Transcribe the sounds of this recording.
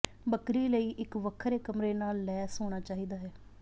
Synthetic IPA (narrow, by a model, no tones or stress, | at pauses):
bəkɾiːləiːʔɪkʋəkʰːɾeːkəmɾeːnaːlːɛːsoːɽ̃aːt͡ʃaːɦiːd̪aːɦɛː